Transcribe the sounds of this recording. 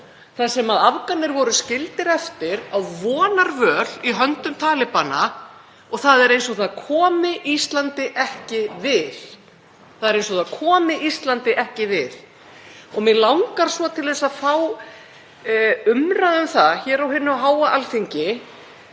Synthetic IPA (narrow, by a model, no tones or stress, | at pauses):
θasɛmaðavkanːɪɾvɔɾʏscɪlt̪ɪɾɛft̪ɪɾawvɔːnaɾvœːliɦœnt̪ʏmt̪ʰaːlɪpana | ɔɣθaðɛɾejnsɔθaðkʰɔːmɪʔist̪lant̪ɪʔɛhcɪvɪð | θaðɛɾejnsɔθaðkʰɔːmɪʔist̪lant̪ɪʔɛhcɪvɪð | ɔɣmɪðlawŋkaɾ̥svɔt̪ʰɪlðɛsaðfaw | ʏmraðʏmθaçɛːɾawɦɪnːʏaɦaːwaʔalθiɲcɪ